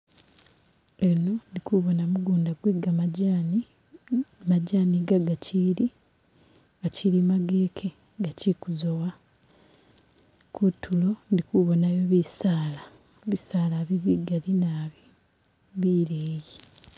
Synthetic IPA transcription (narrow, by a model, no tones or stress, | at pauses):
e̞no̞ndikuβo̞namuɡuːndaɡweɡamn | maɟaːniɡaɡaciɾi | ɡaciɾimaɡeːkʰe | ɡacikuzowa | kutʰːulo̞ndikuβo̞najoβisaːla | βisaːlaβiβiɡalinaβi | βiːɾeːji